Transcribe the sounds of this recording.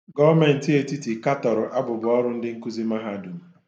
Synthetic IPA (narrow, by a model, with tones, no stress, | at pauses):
ɡɔ˦me˨n̩˨ti˦e˦ti˦ti˨ka˦tɔ˨ɾʊ˨ʔa˦bʊ˨bʊ˨ɔ˦ɾʊ˦n̩˦dɪ˦ŋ̩˦ku˦zi˦ma˦ɦa˦˨du˨m̩˨